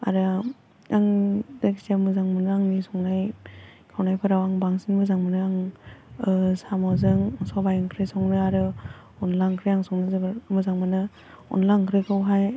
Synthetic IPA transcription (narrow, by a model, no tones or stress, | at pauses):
a̰ɾɯ | aŋdeksiamɯzaŋmɯnɯaŋnisɔŋnajkʰawnajpʰɯɾawaŋbaŋsinmɯzaŋmɯnɯaŋɯsamawzɯŋŋsɔbajɯŋkʰɾɯsɔŋnɯaɾɯ | ɔnlaŋkʰɾejaŋsɔŋnɯzɯbmɯzaŋmanɯ | ɔ̰nlaŋkʰɾɯkʰɯwɦaj